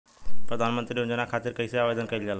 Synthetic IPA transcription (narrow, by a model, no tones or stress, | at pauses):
pɾəd̪ʱaːnmənt̪ɾiɦʊ̃nd͡ʑenãkʰaːt̪ɪɾkɐiseaːʋeːd̪ənkɐɪld͡ʒaːlː